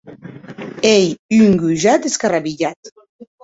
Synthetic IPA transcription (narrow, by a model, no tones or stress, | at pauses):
ejyŋɡyʒat̪eskaraβiʎat̪